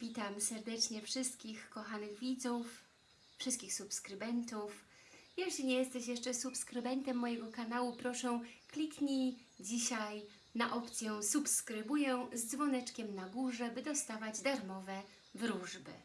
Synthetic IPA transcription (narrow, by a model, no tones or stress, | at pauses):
vʲit̪amsɛɾd̪ɛt͡ʂɲɛfʂɘst̪̚kʲixkɔxanɘɣvʲid̪zuf | fʂɘst̪kʲixsupskɾɘbɛnt̪uf | jɛɕlʲiɲejɛst̪ɛɕjɛʂt͡ʂɛsupskɾɘbɛnt̪ɛmːɔjɛɡɔkanawupɾɔʂɛ̃w̃klʲikɲi | d͡ʑiɕaj | naʔɔpt̪sʲjɛ̃supskɾɘbujɛw̃zd̪zvɔnɛt͡ʂkʲɛmnaɡuʐɛbɘd̪ɔst̪avad͡ʑd̪aɾmɔvɛ | vɾuʐbɘ̰